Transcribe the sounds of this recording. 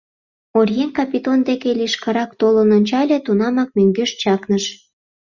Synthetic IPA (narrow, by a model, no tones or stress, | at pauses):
orjenkɑpʲit̪ond̪ekelʲiʃkɑɾɑkt̪olənonʲt͡ɕɑlʲet̪unɑmɑk̚myŋɡøʃt͡ɕɑknəʃ